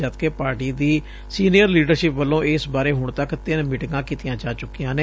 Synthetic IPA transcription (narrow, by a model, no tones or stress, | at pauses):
at̪keːpaːɾʈiːd̪iː | siːnijəɾliːɖəɾʃɪpʋəlːõːʔɪsbaːɾeːɦʊɳt̪əkt̪ɪnmɪʈɡãːkiːt̪ɪjãːd͡ʒaːt͡ʃʊkːijãːne